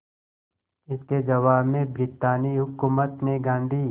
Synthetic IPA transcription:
ɪsked͡ʒɐʋaːbmẽbɾɪt̪aːniɦʊkuːmət̪neɡãːnd̪ʱiː

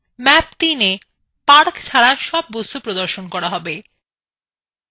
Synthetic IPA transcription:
mɛp̚t̪ine | paɾkt͡ɕʰaɾaʃɔb̚ːost̪opɾod̪oɾʃonkɔɾaɦɔbe

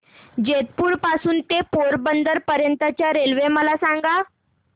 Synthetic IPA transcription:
d͡ʑet̪̚puːɽpasuːnt̪epoɾbənd̪əɾpəɾjənt̪at͡ɕjaɾelʋeməlasaŋɡa

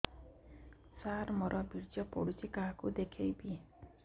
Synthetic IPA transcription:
saɾmɔɾʔɔbiɾd͡ʒɔpɔ̰ɽut͡ʃʰikaɦakud̪ekʰejbi

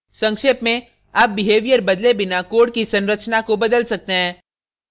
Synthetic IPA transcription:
sɐ̃ŋkʃeːpmẽ | aːp̚bɪɦeːʋijəɾbɐd̪lebɪnakoːɽ̚kisɐ̃nɾət͡ʃnakobɐd̪əlsɐk̚t̪eɦɛ̃ː

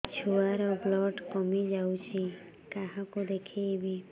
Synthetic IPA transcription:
t͡ʃʰuaɾɔblɔɖkɔmid͡ʒawt͡ʃʰi | kaɦakod̪ekʰijbi

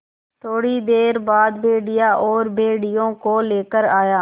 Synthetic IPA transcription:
t̪ʰoːɽiːd̪eːɾbaːd̪bʱeːɖɪjaːʔɔːɾbʱeːɽɪjõːkoːleːkəɾaːjaː

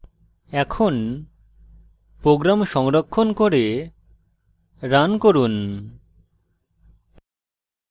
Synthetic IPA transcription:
ɛkʰon | pɾoɡɾamʃɔŋɾokʰːonkoɾe | ɾankoɾun

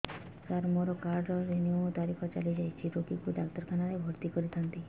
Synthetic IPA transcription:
taɾmoɾɔkaɾɾɔɾeniot̪aɾikʰɔt͡ʃa̰lid͡ʒajt͡ʃʰiɾokikud̪akt̪ɔɾkʰanaɾebʱoɾt̪ikɔɾit̪ʰant̪i

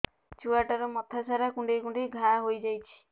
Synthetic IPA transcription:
t͡ʃuaʈɔɾɔmɔt̪ʰasʰaɾakũɳɖikũɳɖiɡʱãɦojd͡ʒajt͡ʃʰi̥

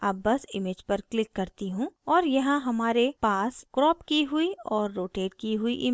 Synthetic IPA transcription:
ɐbːɐsɪmeːd͡ʒpɐɾklɪkːɐɾt̪iɦũɔːɾjɐɦãɦɐmaːɾepaːskɾɔːpkiɦʊiɔːɾːoːʈeːɖkiɦʊiʔɪm

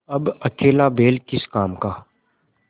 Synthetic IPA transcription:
ɐbɐkeːlabeːlkɪskaːmkaː

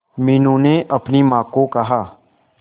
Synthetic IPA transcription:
mɪnũneʔɐpnimãːkokɐɦaː

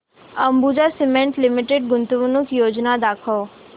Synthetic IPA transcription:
əmbud͡ʒasimẽɳʈlɪmiʈeɖ̚ɡʊnt̪uʋunʊkjoːd͡ʒnad̪akʰo

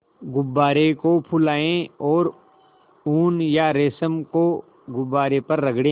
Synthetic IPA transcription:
ɡʊbːaːɾekopʰʊlaːẽɔːɾ | uːnjaɾeːsəmko | ɡʊbːaːɾepɐɾːɐɡɽẽː

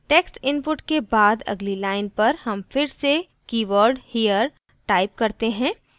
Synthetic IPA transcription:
ʈeːksʈɪ̃npʊʈkebaːd̪ɐ̰ɡlilaːɪnpɐɾhɐmfɪɾse | kiːʋəɾɖhiːjəɾ | ʈaːɪp̚kɐɾt̪eɦɛ̃ː

